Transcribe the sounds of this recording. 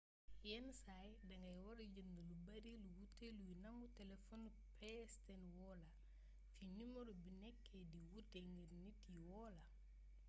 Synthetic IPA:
jɛnsajdɐŋɡɐjwɐɾɟəndulubɐɾiluwuteluwinɐŋutɛlɛfɔn | pɛstɛnwɔlɐ | finimɔɾubinɛkːɛdiwuteŋɡiɾnitiwɔːlɐ

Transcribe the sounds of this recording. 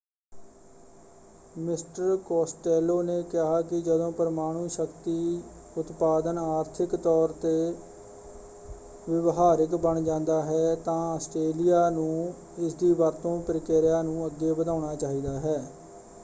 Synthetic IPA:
mɪsʈəɾkɔːsʈɛːloːneːkɪɦaːkɪd͡ʒəd̪õːpəɾəmaːɽ̃ũːʃəkt̪iːʊt̪paːd̪ənaːɾt̪ʰɪkt̪ɔːɾt̪eː | ʋɪʋɦaːɾɪkbəɳd͡ʒãːnd̪aːɦɛːt̪ãːəsʈɾeːlijaːnũː | ɪsd̪iːʋəɾt̪õːpɾɪkeːɾɪjaːnũːəɡːeːbəd̪ãːɳ̃aːt͡ʃaːɦiːd̪aːɦɛː

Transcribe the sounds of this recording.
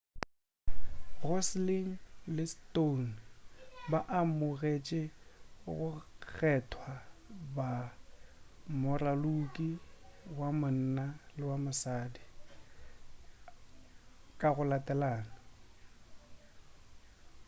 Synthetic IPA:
rɔsliŋ̩lɪston | baʔamʊɣet͡ʃʼɪɣʊk͡xʰɛtʰwaba | mʊralukʼiwamʊn̩nalɪwamʊsaːdi | kʼaɣʊlatʼɛlaːnɔ

